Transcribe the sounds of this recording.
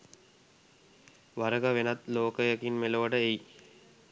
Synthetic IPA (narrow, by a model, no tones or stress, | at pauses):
ʋaɾəɡaʋenat̪loːkəjəkinmeloʋəɖəej